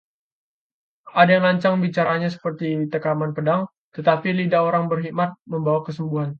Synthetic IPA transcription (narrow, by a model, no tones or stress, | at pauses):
ʔadajaŋlaɲt͡ʃaŋbit͡ʃaɾaɲas̬ə̥pərt̪it̪əkamanpədaŋ | t̪ət̪apilidaoɾaŋbərɦimat̪̚məmbawakəsəmbuɦan